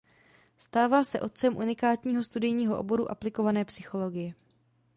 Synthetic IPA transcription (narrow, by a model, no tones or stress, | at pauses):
st̪aːvaːsɛʔo̞t̪̚t͡sɛmʔṵnɪkaːt̪ɲiːɦo̞st̪udɪjɲiːɦo̞ʔo̰bo̞ɾṵʔa̰plɪko̞vanɛːpsɪxo̞lo̞ɡɪjɛ